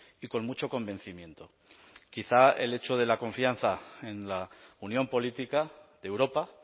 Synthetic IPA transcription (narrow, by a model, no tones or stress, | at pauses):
iko̞nmut͡ʃo̞ko̞mbe̞n̟θimje̞nt̪o̞ | kiθae̞̰le̞t͡ʃoð̞e̞lako̞ɱfianθae̞nlaunjõ̞mpo̞lit̪ikaðewɾo̞pa